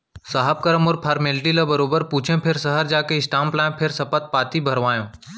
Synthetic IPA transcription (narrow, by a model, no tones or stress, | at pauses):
saɦəb̚kɐɾəmɔːɾpʰaːɾmeːlʈilɐbɐɾoːbəɾpuːt͡ʃʰẽpʰɪɾsɐɦəɾd͡ʒaːkeɪsʈãːmplãːpʰɪɾsɐpət̪̚paːt̪ibʱɐɾʋaːjõː